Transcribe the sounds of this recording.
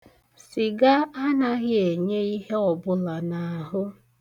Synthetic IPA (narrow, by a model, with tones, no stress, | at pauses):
sɪ˨ɡa˦a˦na˦ɣɪ˦e˨ɲe˦i˦ɦe˦ɔ˨bʊ˦la˨na˨a˨ɦʊ˦